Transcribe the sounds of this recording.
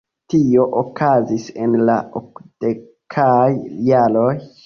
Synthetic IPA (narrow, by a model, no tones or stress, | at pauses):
tio̞ʔokazisenla̰okd̥ekʰajjaloj